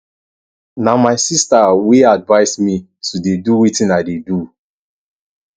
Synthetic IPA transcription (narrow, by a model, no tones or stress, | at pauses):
namaɪsistawiadvaɪsmi | tʰudeduwitĩnadedu